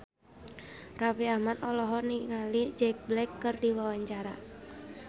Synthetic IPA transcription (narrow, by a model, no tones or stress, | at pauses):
rafiahmat̪ɔlɔɦɔniŋalid͡ʒɛk̚blɛkːɨrdiwawaɲt͡ʃaɾa